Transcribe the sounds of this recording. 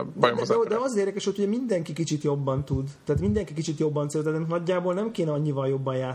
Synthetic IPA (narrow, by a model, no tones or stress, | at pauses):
d̪ɛd̪ɛɒzzeːrd̪ɛkɛʃhot̪hoɟɛmind̪ɛŋkikit͡ʃit̪jo̞bːɒnt̪ud̪t̪ɛːt̪mind̪ɛŋkikit͡ʃit̪jo̞bːɒnt̪selt̪ɛt̪ɛnnɒɟːaːbolnɛmkeːnɛɒɲːivɒljo̞bːɒjjaːt̪